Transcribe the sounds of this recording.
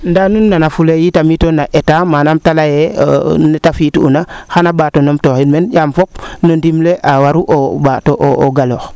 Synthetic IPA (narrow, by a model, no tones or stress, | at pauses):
ndanunːanafulejitamitonaʔetamaːnamtalajenetafituṵnaxanabaːtonomtoxilmenjamfop̚nondimleʔawaɾuʔobaːtoʔooɡalox